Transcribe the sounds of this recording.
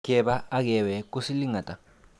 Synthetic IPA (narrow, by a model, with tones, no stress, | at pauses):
kɛ˦ɓa˦a˦k̬ɛ˨wɛ˨k̬u˦si˦li˦ŋa˨tʼa˨